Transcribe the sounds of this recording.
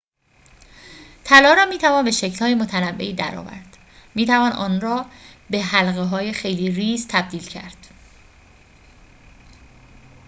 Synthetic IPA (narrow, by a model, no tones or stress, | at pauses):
t̪ʰælɒːɾɒːmiːt̪ʰævɒːnbe̞ʃecʰlhɒːje̞mot̪ʰænæbːe̞̰iːd̪æ̰ɾɒ̰ːvæ̰ɾd̪̥ | miːt̪ʰævɒːnʔɒ̰ːnɾɒːbeɦælɣeɦɒːje̞xejliːriːst̪ʰæb̚d̪iːlcʰæ̰ɾd̪̥